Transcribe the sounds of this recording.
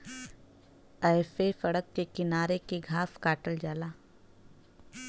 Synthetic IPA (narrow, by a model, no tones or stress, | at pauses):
aefefɐɽəkːekɪnaːɾekeɡʱaːskaːʈəld͡ʒaːlaː